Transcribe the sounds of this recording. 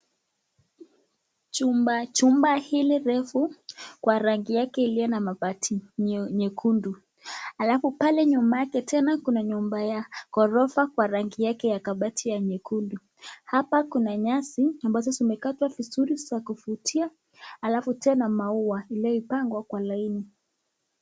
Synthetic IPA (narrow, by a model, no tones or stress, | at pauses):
t͡ʃumbat͡ʃumbahiliɾɛfukwaɾaŋɡijakɛilijɔnamaɓatʰiɲɛkʰundu | alafupalɛɲumajakɛtɛnakunaɲumbajakɔɾɔfakwaɾaŋɡijakɛjakaɓatʰijaɲɛkundu | hapakunaɲasiambajɔs̬asaumɛkatwavizuɾisakufutʰia | alafutɛnamauwailiɔipaŋɡwakwalaini